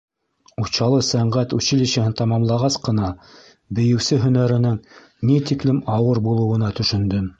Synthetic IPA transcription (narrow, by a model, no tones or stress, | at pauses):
uɕɑlˠɤsæɴɢæt̪ʉɕɘ̆liɕɘ̆hɘnt̪ɑmɑmlˠɑʁɑsqɤ̆nɑ | bɘ̆jɘ̆wsɘɦɵ̆næɾɘ̆nɘŋ | nit̪iklɘmɑwɤɾbulˠɤ̆wɤ̆nɑt̪ɵ̆ʃɵ̆nd̪ɵm